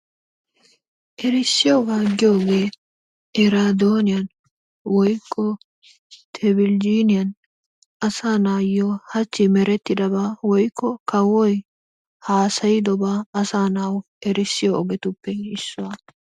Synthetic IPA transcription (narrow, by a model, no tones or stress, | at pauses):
ʔɛɾɪsːɪjoɡaːɡɪjoːɡe̞ː | ʔɛɾad̪oːnɪjɐn | wɔjkʰʼːɔ | t̪ʰɛbɪld͡ʒiːnɪjɐn | ɐsaːnaːjːɔhɐt͡ʃːɪmɛɾɛt̪ːɪd̪ɐbaːwɔjkʰːɔkɐwɔj | haːsɐjɪd̪ɔbaːɐsaːnaːw | ɛɾɪsːɪjɔːɡɛt̪ʊpːɛɪsːʊwa